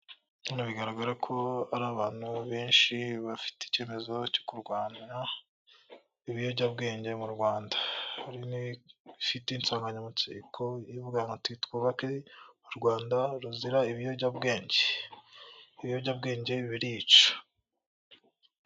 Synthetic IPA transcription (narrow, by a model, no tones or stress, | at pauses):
nonaβiɡaɾaɡaɾakʰo̞aɾaːβaːn̥huβeːnʃiβafi̥tei̥ce̞ːme̞zo̞co̥kuɾɡwaːna | iβijoɟabɡe̞ːɲɟe̞muɾɡwaːndḁhaɾinifiteiːnt͡saːŋɡaɲamut͡sḭkʰojivuɡaŋatitkuːβakemuɾɡwaːndaɾuziɾaiβijoɟabɡe̞ːɲɟe̥ | iβijoɾɟab̚ɡe̞ːɲɟe̞iβiɾiːt͡ʃo̥